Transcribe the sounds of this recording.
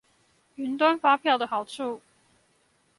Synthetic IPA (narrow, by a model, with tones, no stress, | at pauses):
y˧˥nt̪wa˥nfa˥pʰjɑ˥˩ʊd̪ə˩xɑ˨˩ʊʈ͡ʂʰu˥˩